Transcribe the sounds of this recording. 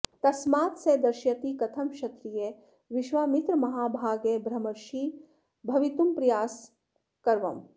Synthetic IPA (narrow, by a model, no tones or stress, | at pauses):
t̪ɐsmaːt̪seːd̪ɐɾʃjɐt̪ikɐt̪ʰɐmʃɐt̪ɾije | ʋiʃʋaːmit̪ɾmɐɦaːbʱaːɡebʱɾɐmɐɾʃi | bʱɐʋit̪umpɾɐjaːs | kɐɾʋɐm